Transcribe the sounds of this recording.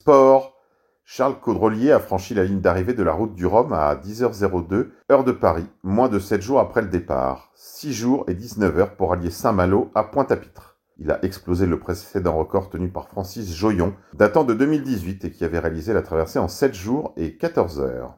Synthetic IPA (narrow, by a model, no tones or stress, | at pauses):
spɔʁ | ʃaʁlkod̪ʁɔljeafχɑ̃ʃilaliɲd̪aʁived̪əla̰ʁut̪̚d̪yʁɔma̰d̪izœʁzeʁod̪ø | œʁd̪əpaʁimwɛ̃d̪əsɛt̪ʒuʁapχɛləd̪epa̰ːʁ | siʒuʁed̪iznəvœʁpuʁaljesɛ̃maloʔapwɛ̃t̪api̥t̪χ | ila̰ʔɛksplozeləpχesɛd̪ɑ̃ʁəkɔʁt̪ənypaʁfχɑ̃sisʒɔjɔ̃d̪at̪ɑ̃d̪əd̪ømild̪izɥit̪ekʲiavɛʁealizelat̪χavɛʁseɑ̃sɛt̪ʒuʁekat̪ɔʁzœ̰ːʁ